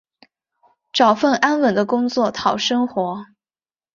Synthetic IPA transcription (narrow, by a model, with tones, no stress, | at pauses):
ʈ͡ʂɑ˨˩ʊfə˥˩na˥nwə˨˩nd̪ə˦kʊ˥ŋt͡swɔ˥˩t̪ʰɑ˨˩ʊʂɤ˥ŋxwɔ˧˥